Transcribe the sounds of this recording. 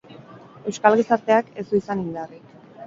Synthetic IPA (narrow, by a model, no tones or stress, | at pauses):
e̞wskalɣisaɾt̪e̞ake̞zd̪uisanind̪ari